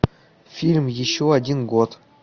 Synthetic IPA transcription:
fʲilʲmjɪɕːoadʲinɡot̪

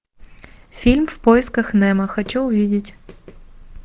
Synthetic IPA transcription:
fʲilʲmfpojɪskɐxnɛmɐxɐt͡ɕuʊvʲidʲɪtʲ

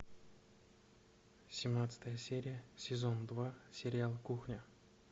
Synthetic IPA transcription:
sʲɪmnat̪sə̥t̪əjəsʲeɾʲɪjəsʲɪzond̪vasʲɪɾʲɪalˠkuxnʲə

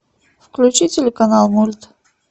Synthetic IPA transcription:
fklʲʉt͡ɕitʲɪlʲɪkɐnalˠmulʲt̪

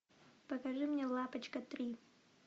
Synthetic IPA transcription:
pɐkaʐɨmnʲelˠapət͡ɕkɐt̪ɾʲi

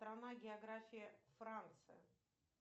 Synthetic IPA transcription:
t̪ɾanaɡʲɪɐɡɾafʲiɪfɾant̪sɨ̰jə̰

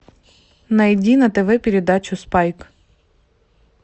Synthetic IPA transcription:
nɐjdʲinɐt̪eʋɪpʲiɾʲed̪ɑt͡ʃʊspɑjk

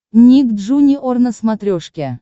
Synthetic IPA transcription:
nʲikd̪ʐunʲiʔornəsmat̪ɾʲoʂkʲe

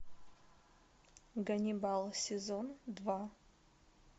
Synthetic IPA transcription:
ɡɐnʲibalˠsʲezondva

